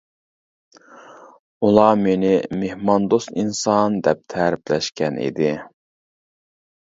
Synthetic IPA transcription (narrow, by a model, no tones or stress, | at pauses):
ulˠɑmenɪmehmɑnd̪ost̪insɑnd̪ɛp̚t̪ʰɛɾɪplɛʃkʲɛnḭd̪ɪ